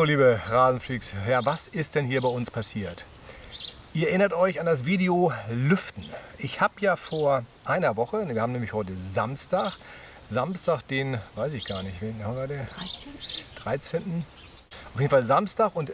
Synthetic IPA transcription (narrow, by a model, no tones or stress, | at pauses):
oːliːbəʁaːzn̩fliːksjaːvasɪst̚d̥ɛnhiːɐbaɪʊnspʰasiːɐt | ʔiːɐɛʔɪnɐtʔɔʏçandas̬v̥iːdeolʏftn̩ʔɪçhaːbjaːfoːɐʔaɪnɐvɔχəviɐhaːm̩nɛːmlɪçhɔʏtəzamstaːx | zamstaːχd̥eːnvaɪsɪçɡ̥aːɐnɪçtveːnhavade | d̥ʁaɪt͡seːntn̩ | aʊfjedn̩falzamstaxʊnt